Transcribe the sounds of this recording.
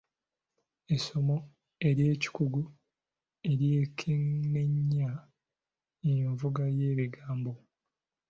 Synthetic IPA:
e̞so̞mo̞ | e̞ɾje̞ːci̥kuɡu | e̞ɾje̞ːkʰene̞ɲːa | ejeɱvuɡaje̞ːβiɡaːmbo̞

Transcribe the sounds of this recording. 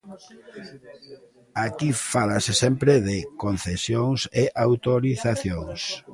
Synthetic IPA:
akifalasɪsɛmpɾɪðɪkon̟θesjoŋseʔawt̪oɾiθaθjoŋs

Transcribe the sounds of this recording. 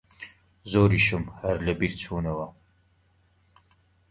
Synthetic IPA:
zoːɾiːʃɨmharɮɐbiːrt͡sʰuːnɐwɐ

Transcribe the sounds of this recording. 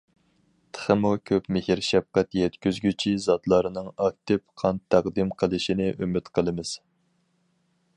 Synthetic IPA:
t̪ʰə̥χəmukʲʰøpmɪhiɾʃɛp̚qæt̪jɛt̪kʲyzɡʲyt͡ʃʰizɑt̪lˠɑɾɨnɨŋɑk̚t̪ɪpqʰɑnt̪ʰːæʁd̪ɨmqʰəlˠɨʃinɪʔymɪt̪qʰəlˠɨmɨz̥

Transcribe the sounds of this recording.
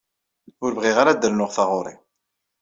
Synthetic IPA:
ʊɾvʁiʁaɾad̪ːəlnʊʁθɑʁʊɾˤḭ

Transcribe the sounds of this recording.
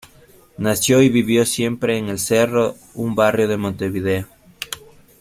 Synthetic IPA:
nasjoiβiβjosje̞mpɾeːŋelsero | umbarjoð̞emõnt̪eβið̞eo

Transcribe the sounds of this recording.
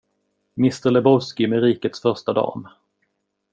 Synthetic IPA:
mɪst̪əɾlɛbɔvskɪmɛɾiːkət̪sfœɾʂtad̪ɑ̰ːn

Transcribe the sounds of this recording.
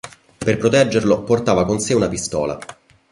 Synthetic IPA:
perpɾot̪ɛd͡ʒːerloport̪aːvakonseunapist̪ɔːla̰

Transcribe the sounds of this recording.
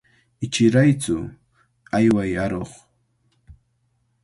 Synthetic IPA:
ɪt͡ʃɪɾajt͡sʊ | ajwajaɾoχ

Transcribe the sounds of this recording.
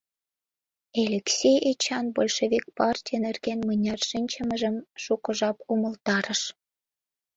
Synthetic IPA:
elʲeksʲejet͡ɕɑnbolʲʃeβik̚pɑrtʲijənerɣenmənʲɑrʃinʲt͡ɕəməʒə̆mʃukə̆ʒɑpuməlt̪ɑɾəʃ

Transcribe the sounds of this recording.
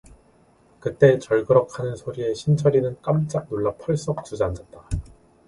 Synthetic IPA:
kɯt͈̚e̞t͡ɕʌɭɡɯɾʌkʰanɯnsʰoɾie̞ɕʰint͡ɕʰʌɾinɯnk͈amt͡ɕ͈ak̚noɭːapʰʌɭs͈ʌk̚t͡ɕ͈ud͡ʑand͡ʑʌt̚t͈a

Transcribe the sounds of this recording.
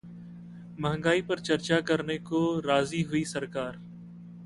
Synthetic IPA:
mɐɦə̃ŋɡaːipəɾt͡ʃɐɾt͡ʃakəɾnekoɾaːziɦʊisɐɾkaːɾ

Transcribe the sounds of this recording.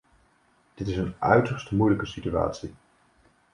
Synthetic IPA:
d̥ɪtɪsənœ̰ɥtəɹstəmujləkəsitya̰ːtsi

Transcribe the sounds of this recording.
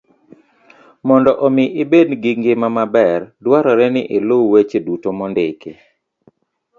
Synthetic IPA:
mɔndɔʔomɪʔɪbedɡiŋɡɪmamabɛrdwaɾɔɾɛnɪ̰ʔɪlowwet͡ʃedutomɔndɪke

